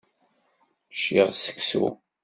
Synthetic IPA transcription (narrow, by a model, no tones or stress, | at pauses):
ʃiʁsə̥kːsṵ